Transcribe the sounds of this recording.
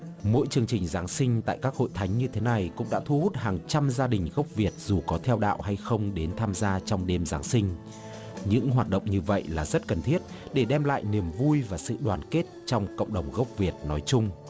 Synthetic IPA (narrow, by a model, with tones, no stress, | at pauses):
mo̰˧˥jt͡ɕɨ˧əŋt͡ɕï˨˩ŋ̟zaː˨˦ŋsï˧ŋ̟t̪a̰ː˧˨jkaː˦˥k̚ho̰˧˨jt̪ʰa˨˦jŋ̟ɲɨ˧t̪ʰe˨˦na˨˩jkʊ̰˧˥ŋ͡mɗa̰ː˧˥t̪ʰu˧hu˦˥t̚haː˨˩ŋt͡ɕa˧mzaː˧ɗï˨˩ŋ̟ɣə˦˥wk͡p̚vi˨˩ət̚z̥u˨˩kɔ˨˦t̪ʰɛ˧wɗa̰ː˧˨wha˧jxə˧wŋ͡mɗe˨˦nt̪ʰaː˧mzaː˧t͡ɕɔ˧wŋ͡mɗe˧mzaː˨˦ŋsï˧ŋ̟ | ɲɨ̰˧˥ŋɦwaː˨˩t̚ɗə̰˧˨wŋ͡mɲɨ˧və̰˧˨jlaː˨˩zə˦˥t̚kə˨˩nt̪ʰi˦˥ət̚ɗe˧˩ɗɛ˧mla̰ː˧˨jni˨˩əmvu˧jvaː˨˩sɨ̰˧˨ɗwaː˨˩nke˦˥t̚t͡ɕɔ˧wŋ͡mkə̰˧˨wŋ͡mɗə˨˩wŋ͡mɣə˦˥wk͡p̚vi˨˩ət̚nɔ˨˦jt͡ɕʊ˧ŋ͡m